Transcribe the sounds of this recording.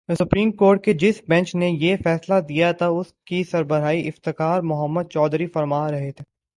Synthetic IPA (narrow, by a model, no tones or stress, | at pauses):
sʊpɾiːmkoːɾʈ̚ked͡ʒɪsbɛ̃nt͡ʃnejefɛːslad̪ijat̪ʰaʊskisɐɾbəɾaːiʔɪft̪ɪkaːɾmʊɦəmːəd̪̚t͡ʃɔːd̪ɾifɐɾmaːɾɐɦet̪ʰe